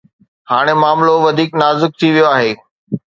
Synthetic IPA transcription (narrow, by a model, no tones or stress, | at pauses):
haːɽ̃emaːmloʋɐd̪ʱiːknaːzɪk̚t̪ʰiʋijoaːɦeː